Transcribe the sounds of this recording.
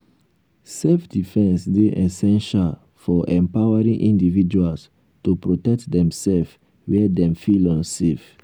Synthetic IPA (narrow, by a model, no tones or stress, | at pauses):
sɛfdifɛ̃nsdeʔɛsɛ̃nʃal | fɔʔɛ̃mpawaɹĩŋʔĩndivid͡ʒuals | tupɹotɛk̚tdɛ̃msɛlf | wɛdɛ̃mfilɔ̃nsef